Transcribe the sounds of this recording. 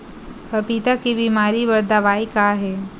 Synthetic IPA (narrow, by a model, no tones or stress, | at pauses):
pɐpit̪akibiːmaːɾibɐɾd̪aʋaːikaɦɛː